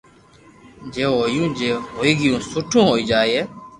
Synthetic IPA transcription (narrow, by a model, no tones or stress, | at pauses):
d͡ʒeːɦoːjũːd͡ʒeːɦoːiːɡɪjũːsʊʈʰũːɦoːiːd͡ʒaːeːeː